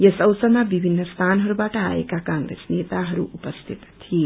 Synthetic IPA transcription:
jesʌwsəmabibʱinːəst̪ʰanɦʌɾubaʈəa̰ḛkakãŋɡɾḛsnet̪aɦʌɾṵʔupəst̪ʰit̪t̪ʰːie

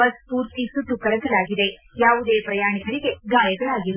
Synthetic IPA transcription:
ɐspuːɾt̪isuʈːukɐɽɐd̪ɐlaːɡid̪e̞ | jaːʋud̪e̞ːpɾɐjaːɳikɐɭiɡe̞ɡaːjɐɡɐɭaːɡiɾu

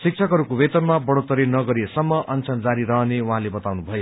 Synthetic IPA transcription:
sik̚t͡sʰʌkɦʌɾukobet̪ʌrmabʌɽot̪ʌɾinʌɡʌɾiesʌmːʌʔʌnt͡sʰʌnd͡zaɾiɾʌɦʌnewãɦãlebʌt̪awnubʱʌjo

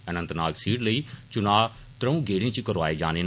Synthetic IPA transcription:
ənə̃nt̪naːksiːʈləiːt͡ʃʊnaː | t̪ɾəũːɡeːɽẽːt͡ʃikəɾʋaːeːd͡ʒaːneːn

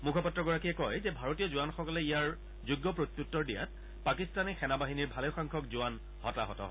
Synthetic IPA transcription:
mukʰɔpɔtɹɔɡɔɹakiɛkɔjzɛbʱaɹotijɔzuanxɔkɔlɛijaɹ | zuɡːɔpɹot̪ːuk̚tːɔɹdija̰t̚ | pakistanixɛnabaɦiniɹbʱaleʊxaŋkʰɔkzuwan | hɔ̰taɦɔtɔ̰ɦɔ̰

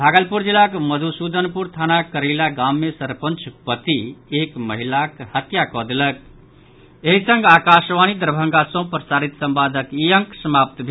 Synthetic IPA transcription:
bʱaɡəlpuɾd͡ʒilːakməd̪ʱusud̪ənpuɾt̪ʰanakəɾeɪlaɡamːesəɾpənt͡ʃʰpət̪iekməɦilakhət̪jakɔd̪elək̚ | eɦisə̃ŋɡakasʋanid̪ɾbʱəŋɡasõpɾəsaɾit̪sə̃mbad̪ʱəkijəŋksəmap̚t̪bʱe

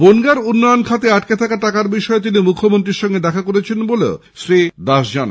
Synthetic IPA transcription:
bonɡaɾunːɔjonkʰat̪eaʈket̪ʰakaʈakaɾbiʃɔet̪̬inimukʰːomont̪ɾiɾʃɔŋɡed̪ɛkʰakoɾet͡ɕʰenbolḛo̰ | sɾid̪aʃd͡ʑan̰

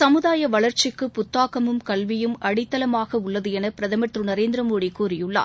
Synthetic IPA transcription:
sɐmɯðaːjɐʋɐɭɐɾt͡ʃɪkːɯpʊt̪ːaːkɐmɯmkɐlʋɪjɯmʔɐɽɪt̪ːɐlɐmaːɣɐʊɭːɐðɯɛnɐpɪɾɐðɐmɐʈ̪rɯnɐɾeːnd̪ɾɐmoːɽikːuːrɪjɯɭːa̰ː

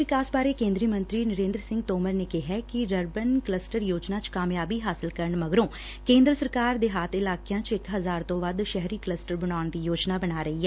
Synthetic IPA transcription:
ʋɪkaːsbaːɾeːkẽːnd̪ɾimə̃nt̪ɾiːnəɾẽːnd̪ɾəsɪ̃ŋɡ̚t̪oːməɾneːkɛɦɛːkɪɾəɾbənkləsʈəɾjoːd͡ʒnaːt͡ʃkaːmjaːbiːɦaːsɪlkəɾəɳməɡɾõː | kẽːnd̪ɾəsəɾkaːɾd̪eːɦaːt̪ʰɪlaːkejãːt͡ʃɪkɦəzaːɾt̪õːʋəd̪ʃɛɦɾiːkləsʈəɾbənaːʊɳd̪iːjoːd͡ʒnaːbənaːɾəɦiːɛː

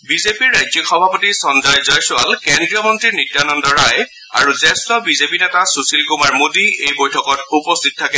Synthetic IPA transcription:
bizepiɹːajzɔkxɔbʱapotiɹsɔnzajzɔjsʊalkendɹijɔmɔntɹiɹnitjanɔndɔɹaj | a̰ɹuzɛstɔbizepinɛtasusilkumaɹmodiejbojtʰɔkɔtupɔstʰit̚tʰːakɛ

